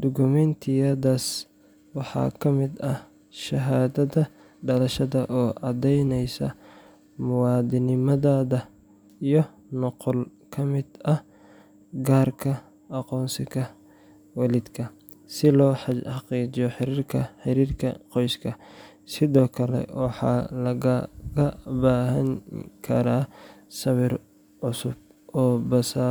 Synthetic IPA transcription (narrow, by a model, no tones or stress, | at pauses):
d̪̥ʊɡʊmɛnt̪ʰɪjɐðaːs | wɑħɑ̰ːkʰɐmɪd̪ɐ | ʃɐɦaːðɐðɐ | ɖɐlɐʃɐðɐʔɔːʔɑd̪ɛjnɛjsɐ̰ | mʊwɑːd̪ɪnɪmɐðaːðɐ | ijɔ | nɔqɔl | kʰɐmɪd̪ɐh | ɡaːrkʰɐ | ʔɑqɔːnsɪkɐ | wɑlɪd̪kʰɐ | sɪlɔːħɑħɑqiːt͡ʃɪjɔħɪɾiːrkʰɐħɪɾiːrkʰɐ̰qɔjskʰɐ | sɪðɔːkʰɐlɛ̰wʔɑħɑ̰ːlɐɣɡɐbaːɦɐŋkʰɐɾaːsɐβɪr | ʕʊsʊb̚ | ʔɔːbɐsaː